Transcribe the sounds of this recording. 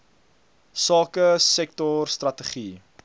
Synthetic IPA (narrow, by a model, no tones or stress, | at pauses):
sɑːkəsɛk̚tɔrstrɐtəχi